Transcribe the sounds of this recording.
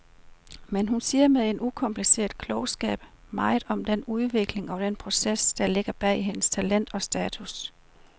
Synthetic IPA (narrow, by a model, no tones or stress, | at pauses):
menɦunsiːɐmeðˠe̝nukʰɒ̽mpʰlise̝̰ːɐð̥ˠkʰlɔʊsɡ̥ɛ̰ːb̥ | mɑ̈ɪðˠɒ̽md̥enuð̞ˠʋe̝ɡ̥le̝ŋɒ̽d̥enpʰʁo̝sesd̥ɑ̈le̝ɡ̥ɐb̥ɛ̰ɪiɦe̝nəst͡sʰælen̰d̥ɒ̽sd̥ɛːt͡sʰus